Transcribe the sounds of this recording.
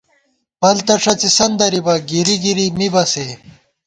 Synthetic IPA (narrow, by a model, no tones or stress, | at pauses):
pɐlt̪ɐʂɐt͡sisɐnd̪ɐɾibɐɡiɾiɡiɾimibɐse